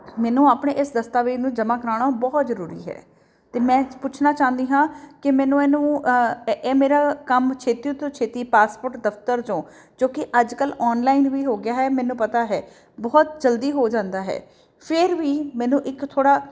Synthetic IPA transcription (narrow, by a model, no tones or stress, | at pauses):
mɛːnũːaːpɳeːʔɪsd̪əst̪aːʋeːnũːd͡ʒəmaːkəɾaːɳaːbɔːt̪zəɾuːɾḭːɦɛ̰ː | t̪eːmɛ̃ːpʊt͡ʃʰnaːt͡ʃãːnd̪iːɦãːkɪmɛ̃ːnũːɛːnũː | ɛːmeːɾaːkəmt͡ʃʰeːt̪it̪õːt͡ʃʰeːt̪iːpaːspoːʈd̪əft̪əɾt͡ʃõː | d͡ʒõːkɪʔəd͡ʒkəlɔːnlaːɪnʋiːɦoːɡɪjaːɦɛːmɛ̃ːnũːpət̪aːɦɛː | bɔːt̪d͡ʒəld̪iːɦoːd͡ʒãːnd̪aːɦɛ̰ː | pʰɪɾʋiːmɛːnũːʔɪkt̪ʰoːɽaː